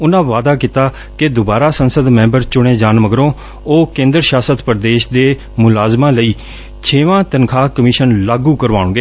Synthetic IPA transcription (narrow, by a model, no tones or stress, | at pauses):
ʊnãːʋaːd̪aːkit̪aː | kɪd̪ʊbaːɾaːsənsəd̪mɛ̃ːmbəɾt͡ʃʊɽẽːd͡ʒaːnməɡɾõː | oːkẽːnd̪ɾʃaːsət̪pəɾd̪eːʃd̪eː | mʊlaːzmãːləiː | t͡ʃʰeːʋãːt̪ənkʰaːkəmiːʃənlaːɡuːkəɾʋaːʊɳɡeː